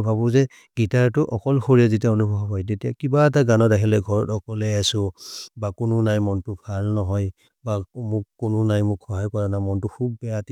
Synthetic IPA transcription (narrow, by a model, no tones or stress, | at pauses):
bʱabʊzɛ | ɡ̥itaɹtʊʔɔkɔlxoɹiazitijaonubʱɔɦɔɦɔjtetijakibaɛtaɡanɔdakʰilɛɡʱɔɹɔtɔkɔlɛasʊbakʊnʊnajmɔntʊbʱalnɔɦɔj | bamʊkːʊnʊnajmʊkʰɔɦajkɔɹanamɔntʊkʰubːɛjati